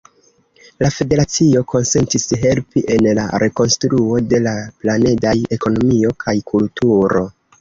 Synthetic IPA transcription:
lafe̞de̞ɾat͡sio̞kʰo̞nse̞ntisɦe̞lpiʔe̞nla̰ɾe̞ko̞nstɾuo̞de̞laplane̞daje̞ko̞no̞mio̞kʰajkʰultuɾo̞

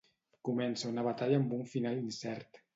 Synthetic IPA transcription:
kumɛnsaunəβat̪aʎəːmbuɱfinalinsɛɾt̪

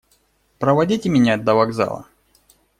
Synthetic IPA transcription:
pɾəvɐdʲitʲɪmʲɪnʲad̪ɐvɐɡza̰lˠə̰

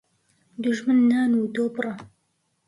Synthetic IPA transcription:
d̪ʊʒmɨnːaːnuːd̪oːbɨrˤɑ

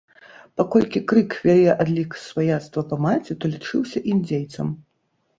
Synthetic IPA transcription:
pakɔlʲkʲikɾɨkvʲalʲɛʔad̪lʲiksvajat̪st̪vɐpɐmat͡sʲit̪ɔlʲit͡ʂɨwsʲɐʔimd͡zʲejt̪sɐm

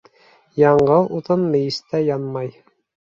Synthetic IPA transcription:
jɑɴɢɤlˠut̪ɤnmɘ̆jist̪æjɑnmɑj

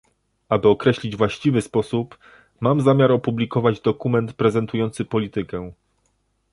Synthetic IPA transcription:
abɘɔkɾɛɕlʲid͡ʑvwaɕt͡ɕivɘspɔsup | mamzamʲjaɾɔpublʲikɔvad͡ʑd̪ɔkumɛnt̪pɾɛzɛnt̪ujɔnt̪sɘpɔlʲit̪ɘkɛ

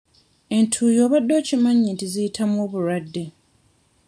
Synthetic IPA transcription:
e̞ntʰuːjo̞ːβadːo̞ːcimaɲːiːntizijitʰamwoːβuɾadːe

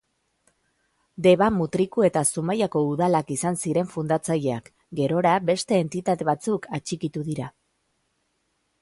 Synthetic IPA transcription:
d̪e̞βamut̪ɾikue̞t̪asumajako̞uðalakisansiɾe̞ɱfund̪at͡saʎeak | ɡe̞ɾo̞ɾabe̞st̪e̞ːnt̪it̪at̪e̞βat͡sukʰat͡ʃikit̪uðiɾa

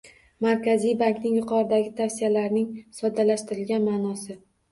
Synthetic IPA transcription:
maɾkʲazijbaŋknɪŋjʊqʰɒɾɪd̪aɡʲɪt̪ʰafsijalaɾnɪŋsɒd̪alaʃt̪ɪɾɪlɡʲanmaːnɒsɪ

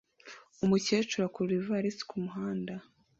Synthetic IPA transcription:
umuceːt͡ʃuɾakuɾivaɾisi̥kumuɦaːnda

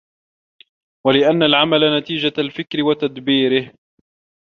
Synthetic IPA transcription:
walɪʔanːalʕamalanat̪iːd͡ʒalfɪkɾɪwat̪ad̪biːɾɪh

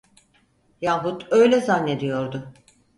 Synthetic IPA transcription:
jaɦut̪ø̞jlʲɛzanːe̞d̪ijo̞ɾd̪ʊ

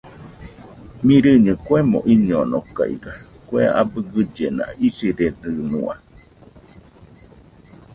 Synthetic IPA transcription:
mĩɾɨɲɨ̃kwemõ̰ʔiɲonoka̰ḭɡa | kʷea̰bɨɡɨd͡ʒenã̰isiɾenɨnũa

